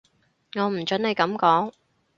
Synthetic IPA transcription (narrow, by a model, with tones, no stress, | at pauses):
ŋɔː˨˧m̩˨˩t͡ʃɵ˨˥ne˨˧jkɐ˨˥mkɔː˨˥ŋ